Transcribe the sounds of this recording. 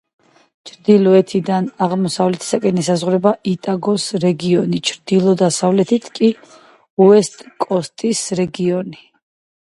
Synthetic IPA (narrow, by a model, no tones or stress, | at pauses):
t͡ʃʰɾd̪ilɔɛt̪ʰid̪anaʁmɔsavlɛt̪ʰi̥sakʼɛnisazʁɾɛbaʔit̪ʼaɡɔsɾɛɡiɔnit͡ʃʰɾd̪ilˠɔd̪asavlɛt̪ʰit̪ʰkʼi | uɛst̪ʼkʼɔst̪ʼisɾɛɡiɔni